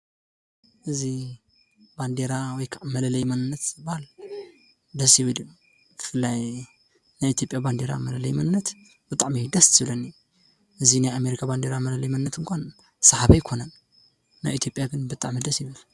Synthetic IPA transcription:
ʔɨzi | band̪eɾawɔjkʰaʔmɐlɐlɐjmɐnɨnːɐt̪bahal | d̪ɐsjɨβɨd̪ɨ | bɨfɨlːaj | najit̪ʰjo̞pʼjaband̪eɾa̰mɐlɐlɐjmɐnɨnːɐt̪ | b̥ɨt̪ʼaʕmid̪ɐst̪ɨβlɐnːi | ʔɨzinajame̞ɾikʰaband̪eɾamɐlɐlɐjmɐnɨnːɐt̪ɨŋkʷʰan | sɐħaβɐjkʰo̞nɐn | na̰jit̪ʰjo̞pʼjaɡɨnbɨt̪ʼaʕmid̪ɐsjɪβɨl

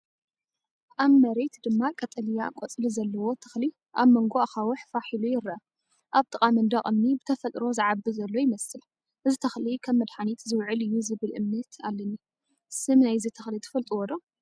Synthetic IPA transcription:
ʔaβmɐɾe̞t̪d̪ɨmːakʼɐt̪ʼɐlijakʼot͡sʼɨlizɐlːɐwo̞t̪ʰɐ̥xli | ʔaβmɐŋɡoaxawʊħfaħilujɪɾɐa | ʔaβt̪ʼɨkʼamɐnd̪ɐχʼɨmnibɨt̪ʰɐfɐt̪ʼɾo̞zɨʕabɨzɐlːo̞jɪmɐsɨl | ʔɨzit̪ʰɐxlikʰɐβːɐd̪ħanit̪zɨwʕɨlɨjːuzɨβɨlʔɨmnɐt̪ʰalːɐnːi | sɨmnajzit̪ʰɐxlit̪ʰɨ̥fɐlt̪ʼiwɔd̪o

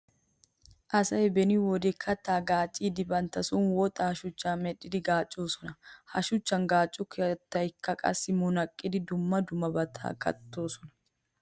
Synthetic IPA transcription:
ʔɐsɐɛbɛniwɔd̪ɛkʰːɐt̪ːaːɡaːt͡ʃʼiːd̪ɪbɐnt̪ɐsʊnwɔt̪ʼɐhɐʃʊt͡ʃːaːmɛᶑɪd̪ɪɡaːt͡ʃʼːoːsɔnɐhɐʃʊt͡ʃːɐŋɡaːt͡ʃʼːʊkʰet̪ːɐɪkːɐkʼɐ̰sɪmʊnɐkʼːɪd̪ɪd̪ʊmːɐd̪ʊmɐbɐt̪ʰa̰ːɡɐ̰t̪ːoːsɔnɐ̥

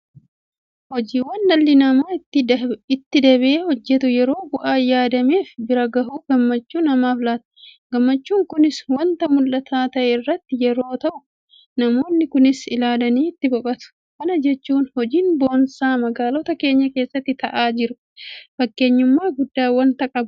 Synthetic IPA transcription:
hɔd͡ʒiːwɐnːɐlːɪnɐmaːt̪ːɪɪt̪ːɪd̪ɐβʔeːhɔd͡ʒːɛt̪ʊjɛɾo̞ːbʊʔaːjaːd̪ɐme̞ːfbɪɾɐɡɐhuːɡɐmːɐt͡ʃːuːnɐmaːflaːt̪ɐ̥ɡɐmːɐt͡ʃːuːŋkʊnɪswɐnt̪ɐmʊlʔɐt̪ʰaːt̪ɐʔeːrːɐt̪ːɪjɛɾo̞ːt̪ɐʔʊ | nɐmo̞ːnːɪkʊnɪsɪlaːlɐniːɪt̪ːɪbɔkʼɐt̪ʊ̥ | kɐnɐd͡ʒɛt͡ʃːuːnhɔd͡ʒiːnbo̞ːnsaːmɐɡaːlɔt̪ɐke̞ːɲːɐke̞ːsːɐt̪ːɪt̪ɐʔaːd͡ʒɪɾʊ | fɐkːe̞ːɲːʊmːaːɡʊd̪ːaːwɐnt̪ɐkʼɐb

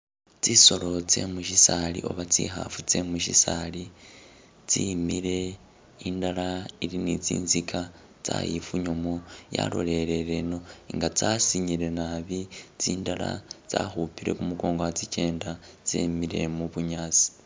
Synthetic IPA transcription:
t͡siso̞ɾo̞t͡se̞̰muʃisaɾḭʔo̞βat͡sḭɦa̰fut͡se̞muʃisaɾi | t͡simiɾe̞ | indaɾaiɾinit͡sḭːnzikʰa | t͡sa̰jifuɲomoja̰ɾo̞̰ɾe̞ɾeɾeno̞iŋɡat͡sasiɲiɾe̞naβit͡siːndaɾa̰t͡sahupiɾe̞̰kumuɡo̞ːŋɡowat͡sice̞ːndat͡sḛmiɾe̞muβuɲaːt͡si̥

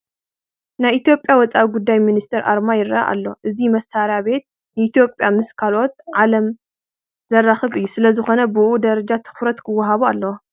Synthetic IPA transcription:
najit̪ʰjo̞pʼjawɔt͡sʼawiɡud̪ːajminist̪ʰɐɾʔa̰ɾmajɪrɐa̰ʔa̰lːo̞ʔɨzimɐsaɾjaβe̞t̪̚ | nɨit̪ʰjo̞pʼjamɨskʰalo̞t̪̚ʕalɐm | zɐrːaxɨβɨjːusɨlɐzɨxo̞nɐbɨʔud̪ɐɾɐd͡ʒat̪ʰɨ̥xɾɐt̪kʰɨwːɐɦaβualːɐw

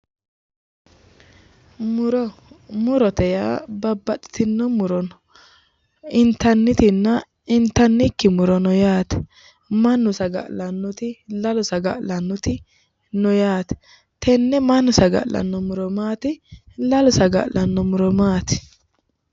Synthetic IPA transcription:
mʊɾɔmʊɾɔt̪ɛjabɐbːɐtʼɪ̥t̪ɪnːɔmʊɾɔn | ɪnt̪ːɐnːɪt̪ɪnːɐ | ɪnt̪ːɐnːɪkːɪmʊɾɔnɔjaːt̪ɛ̥ | mɐnːʊsɐɡɐ̰ʔlɐnːʊt̪ɪlɐlʊsɐɡɐ̰ʔlɐnːʊt̪ɪ | nɔjaːt̪ɛ̥ | t̪ɛnːɛmɐnːʊsɐɡɐ̰ʔlɐ̰nːɔmʊɾɔmaːt̪ɪlɐlʊsɐɡɐ̰ʔlʔɐnːɔmʊɾɔmaːt̪ɪ̥

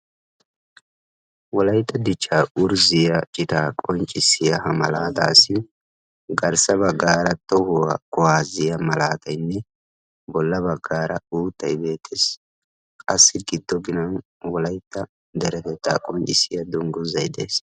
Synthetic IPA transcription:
wɔlɐjt̪ːɐd̪ɪt͡ʃːaːʊɾzɪjɐt͡ʃʼɪt̪aːkʼɔnt͡ʃʼːɪsɪjɐhɐmɐlaːd̪a̰ːsɪ | ɡɐɾsɐbɐɡːaːɾɐt̪ɔhʊwakʊwaːzɪjɐmɐlaːt̪ɐjnːɛ | bɔlːɐbɐɡːaːɾɐuːt̪ʰːɐjbeːt̪ʰːes | kʼɐsːɪɡɪd̪ːɔɡɪnɐn | wɔlɐjt̪ːɐ | d̪ɛɾɛfɛt̪ːa̰ːkʼɔnt͡ʃʼɪsɪjɐd̪ʊŋɡʊzɐjd̪ḛːs

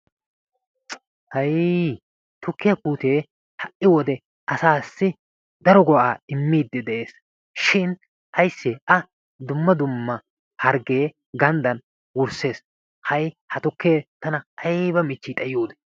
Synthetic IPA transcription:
hɐj | t̪ʊkːɪjɐpuːt̪e̞ː | hɐʔʔɪwɔd̪ɛ | ʔɐsaːsːɪ | d̪ɐɾɔɡɔʔaːɪmːiːd̪ːɛd̪ɛʔe̞ːs | ʃɪn | ʔɐjsːeʔɐ | d̪ʊmːɐd̪ʊmːɐ | hɐɾɡe̞ː | ɡɐnd̪ɐn | wʊɾse̞ːs | hɐjhɐt̪ʊkːe̞ːt̪ɐnɐʔɐjbɐmɪt͡ʃːiːt̪ʼɐjɪjoːd̪ɛ̥

